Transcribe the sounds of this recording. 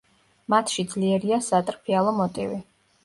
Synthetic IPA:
mat̪ʰʃid̪zliɛɾiasat̪ʼɾpʰialˠɔmɔt̪ʼivi

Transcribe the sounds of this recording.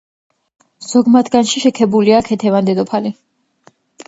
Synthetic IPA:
z̥ɔɡmat̪ʰɡanʃiʃɛkʰɛbuliakʰɛt̪ʰɛvand̪ɛd̪ɔpʰali

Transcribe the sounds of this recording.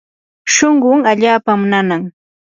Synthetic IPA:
ʃoɴɢʊŋaʎaːpamʊnanaŋ

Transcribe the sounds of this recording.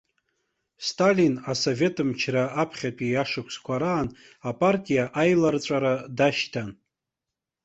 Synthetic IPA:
stʰʼalinaso̞ve̞tʰʼɨmt͡ʃʰraʔapʰχʲatʼiaʂɨkʷʰskʷʰaɾaːn | apʼartʼijaʔajlart͡sʷʼaɾadaʃtʰan

